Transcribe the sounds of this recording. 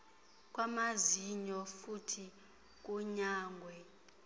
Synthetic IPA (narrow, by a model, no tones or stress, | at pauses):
k̬ʼwamaziɲɔfutʰi | k̬ʼuɲaːŋɡʱwɛ